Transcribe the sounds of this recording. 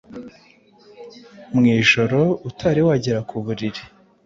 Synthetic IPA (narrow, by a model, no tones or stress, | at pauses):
mŋiːʒo̞ɾo̞utʰaɾiwaɟeɾakʰuβuɾiɾi